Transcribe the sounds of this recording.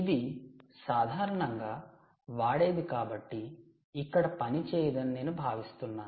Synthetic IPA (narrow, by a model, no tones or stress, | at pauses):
id̪isaːd̪ʱaːɾɐɳɐŋɡaː | ʋaːɽe̞ːd̪ikaːbɐʈːiː | kːɐɽɐpɐnit͡ʃeːjɐd̪ɐninːe̞ːnubʱaːʋist̪unːaːnu